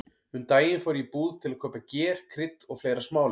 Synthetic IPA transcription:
hʏnt̪aːjɪnfɔwɾɪipuːðt̪ʰɪlakʰœːpacɛːɾ̥kʰɾɪt̪ːɔɣfleːjɾasmaːwl

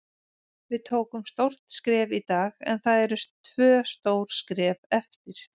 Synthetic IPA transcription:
vɪðt̪ʰoːwkʏmst̪owr̥t̪skɾɛːvit̪aːɣɛ̰nθaðɛɾʏst̪ʰvœːst̪oːwɾ̥skɾɛːvɛft̪ɪɾ̥

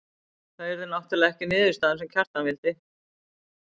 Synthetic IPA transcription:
θaɛɾðɪnawht̪ɪlaɣɛhcɪnɪːðʏst̪aːðɪnsɛmcʰar̥t̪anvɪlt̪ɪ

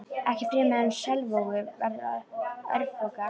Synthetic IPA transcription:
ɛhcɪpɾɪːmɛðɛnsɛlvowɣʏvɛɾða̰ðœ̰ɾvfɔka

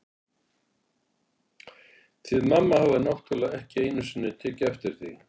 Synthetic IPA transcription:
θʰvɪðmamːahavðɪnawht̪ʰʏlaɛhcɪeːjnʏsʏnːɪt̪ʰɛːcɪɛft̪ɪɾ̥θi

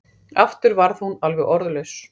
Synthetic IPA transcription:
aft̪ʏɾvaɾðhunalvɛɣɔɾðlœɥs

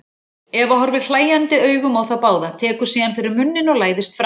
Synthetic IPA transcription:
ɛvaɦɔɾvɪð̥l̥aːjant̪ɪœːɥɣʏmawθawpaːwðat̪ʰɛːkʏɾ̥siːðanfɪɾɪɾmʏnːɪnɔɣlaːjðɪst̪fɾ

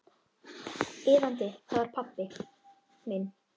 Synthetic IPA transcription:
ɪːvant̪ɪhavaɾ̥pʰapːɪ | min

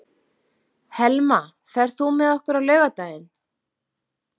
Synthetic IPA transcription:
hɛlma | fɛɾ̥θumɛðɔhkʏɾawlœːɥɣat̪aːjɪn

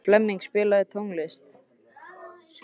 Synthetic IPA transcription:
flɛmːiŋkspɪːlaðɪt̪ʰowŋlɪst̪

